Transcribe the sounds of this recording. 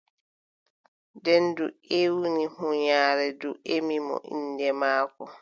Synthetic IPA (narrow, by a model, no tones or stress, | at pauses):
dɛnduewinihuɲaːɾɛduʔemimɔ̰ʔḭndɛmaːkɔ